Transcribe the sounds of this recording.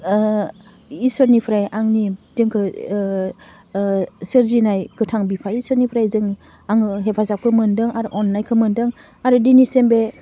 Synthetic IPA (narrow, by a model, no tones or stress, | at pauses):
isɯɾnipʰɾajʔaŋnidɯŋkʰɯ | sɯɾzinajɡɯtʰaŋbipʰaisəɾnipʰɾajzɯŋ | aŋɦepʰazap̚kʰɯmɯndɯŋaɾuʔɔnːajkʰɯmɯndɯŋ | aɾudinisembe